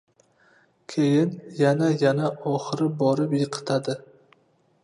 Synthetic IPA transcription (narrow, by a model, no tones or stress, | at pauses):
kʲʰejɪnjanajanaʔɒχɨɾɪbɒɾɪpjɨqʰɨ̥t̪ʰad̪ɪ